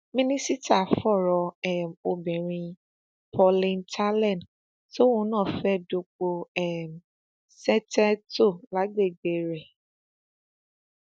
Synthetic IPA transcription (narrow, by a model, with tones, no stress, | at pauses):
mĩ˦nĩ˦si˦ta˦˨fɔ˦˨ɾɔ˧ɛ˦mo˧bɛ˨ɾ̃ĩ˧ | pʰɔ˧lĩ˧ntʰa˦lɛ̃˦˨n˨d | so˦wũ˨˦nã˦˨fɛ˦do˧k͡po˧ɛ˦˨m | sɛ˦tɛ˦to˦˨la˨˦ɡ͡be˦˨ɡ͡be˨ɾɛ˨